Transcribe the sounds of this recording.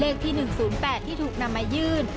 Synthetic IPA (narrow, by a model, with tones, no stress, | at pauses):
leː˧˩k̚t̪ʰiː˧nɯ˨˩ŋsuː˩˦npɛː˨˩t̪ʰːiː˥˩t̪ʰuː˨˩k̚na˧mːa˧jɯː˥˩n